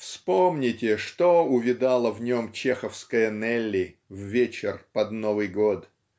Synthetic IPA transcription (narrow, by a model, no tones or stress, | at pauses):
fspomnʲɪtʲɪʂt̪oʊvʲɪd̪alˠəvnʲo̞mt͡ɕexəfskəjənɛlʲːɪvvʲet͡ɕɪrpɐd̪novɨjɡot̪